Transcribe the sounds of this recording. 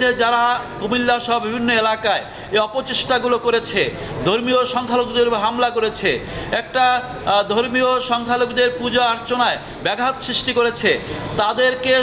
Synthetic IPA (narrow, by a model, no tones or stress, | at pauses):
ed͡ʑaɾakomilːaʃɔɦobibʱinːoelakae | eɔpot͡ɕeʃʈaɡulokoɾet͡ɕʰe | d̪ʱoɾmioʃɔŋkʰalokd̪eɾɦamlakoɾet͡ɕʰeɛk̚ʈa | d̪ʱoɾmioʃɔŋkʰalokd̪eɾpud͡ʑaaɾt͡ɕonae | bɛɡɦat̪sɾiʃʈikoɾet͡ɕʰet̪ad̪eɾke